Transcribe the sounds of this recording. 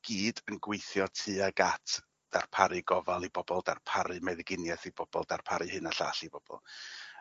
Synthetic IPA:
ɡ̥iːdənɡwejθjɔtʰɨːaɡatʰ | d̥arpʰaɾɨɡɔvalˠibɔbɔlˠdarpʰaɾɨmɛðɡɪnjɛθib̥ɔb̥ɔ̰lˠdarpʰaɾɨhɨnaɬa̰ːɬibɔb̥ɔ̰lˠ

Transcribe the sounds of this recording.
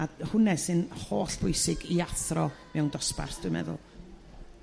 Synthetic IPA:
ahʊnɛsɨnhoːɬb̥ʰʊjsɪɡiaθrɔmɛwndɔspa̰rsd̥ʊɨmɛ̰ðʊ̰lˠ

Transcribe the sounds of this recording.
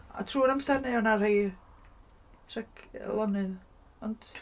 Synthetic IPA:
a̰tʰruːɾamsɛrneɔnarhej | tʰrɛkʰlˠɔnɨð | ɔnd̥

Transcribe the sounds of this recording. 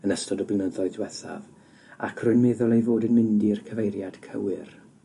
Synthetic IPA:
ənəstɔdɔblɪnəðɔɨdwɛθa̰v | a̰kʰrʊɨnmɛːðʊlˠejvoːdɨnmɪndirkʰəvejɾjad̥kʰə̰wɨr

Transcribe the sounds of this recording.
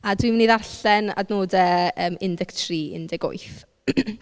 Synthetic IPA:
adwimniːðarɬɛna̰dnoːdɛəːmɪndɛktʰriːɪ̰ndɪɡo̰jθ

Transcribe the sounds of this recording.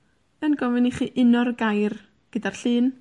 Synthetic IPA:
ənɡɔvɪniχiːʔɪnɔrɡajr | ɡ̥ədarɬɨːn

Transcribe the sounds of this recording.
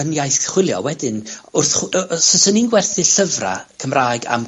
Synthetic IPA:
ənjajθχwɪlˠjɔ̰wɛdɨnʊrθχsɔsəninɡwɛrθɨɬəvra̰kʰəmraːjɡa̰m

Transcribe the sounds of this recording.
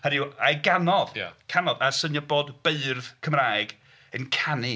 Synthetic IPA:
həɾɪwajɡanɔðja̰kʰanɔðasənjɔboːdb̥eɨrðkʰəmraːjɡ | ənkʰani

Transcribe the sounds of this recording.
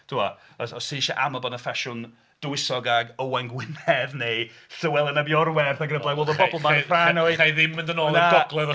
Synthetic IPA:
d̥ʊa | ɔsɔsiʃaʔamɔbɔnəfɛʃʊn | d̥əwɪsɔɡaɡəwajnɡwɪnɛðnesəwɛlˠənabjɔrwɛrθaɡənəblajwoːlˠðəbɔbɔlˠmanraanɔajðɪmːɪ̃ndənɔːnaɡɔɡlˠɛðɔ

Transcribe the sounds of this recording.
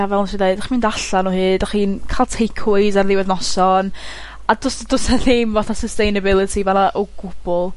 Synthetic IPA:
avɛlˠnʃiðeɨd̥aχimɪndaɬanuːhɨːdaχiːnkʰalˠtʰejkʰʊjzarðɪwɛðnɔsɔn | adʊsdʊsaθemvɔθasəstejnəbɪlˠɨtʰivanaʔoɡʊb̥ʊlˠ

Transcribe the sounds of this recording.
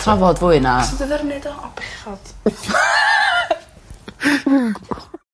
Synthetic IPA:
tʰrɔvɔdvʊɨnadəðɛrnɛdɔɔbɪχɔd̥

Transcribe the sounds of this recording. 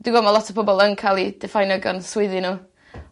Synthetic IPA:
d̥ɪɡɔmalˠɔtʰəpbʰɔbɔlˠənkʰalˠid̥ɛfajnəɡɔ̰nswɪðinu

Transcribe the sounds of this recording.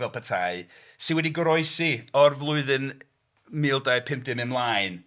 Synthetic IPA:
vɛlˠpʰətʰaɨ | sɪnwɛdiɡəɾɔɨsiɔrvlˠʊɨðɨn | miːlˠdaɨpʰɪmp̚dɪmɪmlˠaːɨn

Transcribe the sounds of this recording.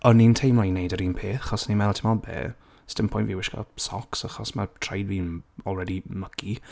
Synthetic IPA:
ɔnːintʰejmlˠɔinejdəɾiːnpʰeːθχɔsnimɛlˠtʰimɔbɛ̰ː | sɪ̥tdənpʰɔ̃j̃ntviːwɪʃkɔ̰sɔksaχɔsmatʰrajdviːnɔlˠrɛdiməkʰi

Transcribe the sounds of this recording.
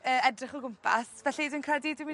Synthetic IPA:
əːɛdrɪχɔɡʊmppʰa̰svɛɬidɪnkʰradidɪmi

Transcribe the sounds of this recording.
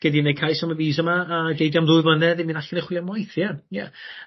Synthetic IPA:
ɡ̥ɛdinejkʰajsaməviːzəmaːɡejdjamðʊɨvənɛðɪminaɬəneχwɪlˠjamɔjθjajɛ

